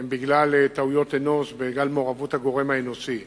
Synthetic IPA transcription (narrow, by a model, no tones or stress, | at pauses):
mbiɡlalt̪aujo̞t̪eno̞sbeɡalmo̞ʁavutaɡo̞ʁe̞maenosi